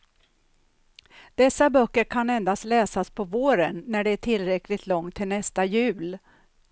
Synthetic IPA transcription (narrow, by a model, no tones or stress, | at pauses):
d̪̥ɛsːabœkːəɾkʰanɛnd̪ast̪lɛːsaspʰɔvoːɾənːæɖɛːʈʰɪlɾɛklɪɡ̚t̪lɔŋt̪ʰːɪlnɛst̪ajʉ̟ːl